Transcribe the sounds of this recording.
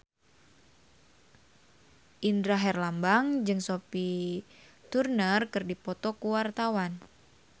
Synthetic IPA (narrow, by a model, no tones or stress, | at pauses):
ʔindɾaɦɛrlambaŋd͡ʒɨŋsopi | t̪urnərkɨrdipɔt̪ɔkuwart̪awan